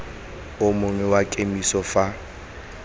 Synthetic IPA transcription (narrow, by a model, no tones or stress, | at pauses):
ʊmʊŋɛwakʼemisɔfa